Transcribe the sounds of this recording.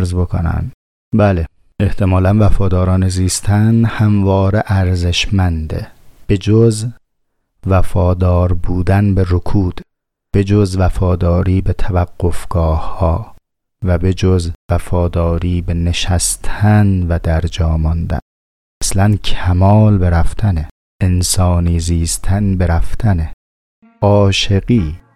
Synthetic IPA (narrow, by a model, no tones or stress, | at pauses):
ɾzbo̞kʰo̰næ̰m | bæːle | eht̪ʰe̞mɒːlænvæfɒːd̪ɒːɾɒːneziːst̪ʰænhæmvɒːɾeʔæɾze̞ʃmænd̪ḛb̥e̞d͡ʒoz | væfɒːd̪ɒːɾbuːd̪ænbeɾokʰuːd̪̥ | b̥e̞d͡ʒozvæfɒːd̪ɒːɾiːbet̪ʰævæɡːofɡ̥ɒːhhɒː | væbed͡ʒozvæfɒːd̪ɒːɾiːbene̞ʃæst̪ʰænvæd̪æɾd͡ʒɒːmɒnd̪æ̰n | mæslæncʰæmɒːlbe̞ɾæft̪ʰæne | ensɒːniːziːst̪ʰænbeɾæft̪ʰæne | ɒːʃe̞ɡiː